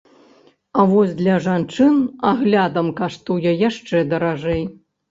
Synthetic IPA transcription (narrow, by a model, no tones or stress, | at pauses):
ɐvɔsʲd̪lʲɐʐant͡ʂɨnaɣlʲad̪ɐmkaʂt̪ujɐjaʂt͡ʂɛd̪ɐɾaʐɛj